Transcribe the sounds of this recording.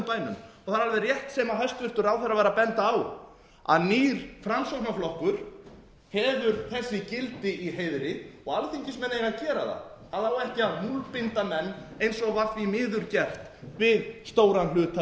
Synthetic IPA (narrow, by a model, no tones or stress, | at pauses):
paːjnʏ̰mɔθaɾalvɛrjɛht̪sɛːmaɦɛst̪vɪr̥t̪ʏɾawθɛɾrːavaɾapɛnt̪aːw | a̰ðniːɾ̥fɾamsowknaflɔhkʏɾ̥ | hɛðʏɾθɛsːɪcɪlt̪ɪiɦejðɾɪɔɣalθiɲcɪsmɛnːejɣaðcɛːɾaða̰ | aðawɛhcɪaðmulpɪnt̪amɛnːejnsɔɣvafvimɪːðʏɾcɛr̥t̪vɪðst̪oːwɾanlʏːt̪a